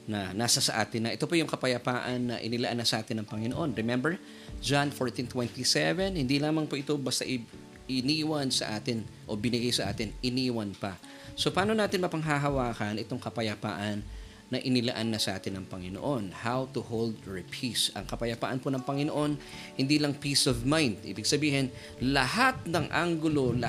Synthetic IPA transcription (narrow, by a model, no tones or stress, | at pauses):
nɐnaːsɐsɐʔaːt̪ɪnːɐʔɛt̪o̞pojʊŋkɐpɐjɐpaːʔɐnːɐʔɪ̰nɪlɐʔanːɐsɐʔaːt̪ɪnːɐŋpɐŋɪnoʔo̞nɹɛmɛmbɛɹ | d͡ʒanfoɹt̪int̪wɛnt̪isɛvɛnhɪnd̪ilaːmɐŋpoʔɪt̪o̞bɐst̪aʔɪ | ɪniːwɐnsɐ̰ʔaːt̪ɪnʔo̞bɪnɪɡajsɐʔa̰ːt̪ɪnɪniːwɐnpɐ | sopaːnonaːt̪ɪnmɐpɐŋɦaɦɐwaːkɐnʔɛt̪o̞ŋkɐpɐjɐpa̰ːʔɐnː | ɐʔɪnɪlɐ̰ʔanːɐsɐʔa̰ːt̪ɪnɐŋpɐŋɪno̰ʔo̞nhawt̪ʊhold̪ɹɛpʰisʔɐ̰ŋkɐpɐjɐpa̰ːʔɐnponɐŋpɐŋɪnoʔo̞n | hɪnd̪iːlɐŋpiːsovmajnd̪ʔḭːbɪɡsɐbiːhɪn | lɐhat̪̚nɐŋʔa̰ŋɡʊlo̞l